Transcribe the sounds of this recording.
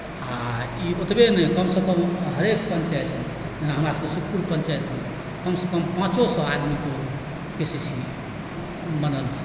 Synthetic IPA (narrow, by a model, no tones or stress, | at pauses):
a | iot̪benɛkəmsə̃kəmɦəɾekpə̃nt͡ʃajt̪ʰn | d͡ʒenaɦəmɾasə̃kesukpuɾpə̃nt͡ʃajt̪ʰɛn | kəmsekəmpãt͡ʃosə̃ad̪miko | kesisi | bənəlt͡ʃʰɛ̥